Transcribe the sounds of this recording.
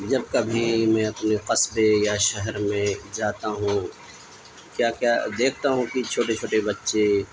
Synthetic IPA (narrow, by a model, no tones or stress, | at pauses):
d͡ʒɐb̚kabʱimɛ̃ːɐpneqɐsbejaʃɐɦɛɾmẽd͡ʒaːt̪aɦũ | kjaːkjaːd̪eːkʰt̪aɦũkit͡ʃʰoːʈet͡ʃʰoːʈebɐtːʃe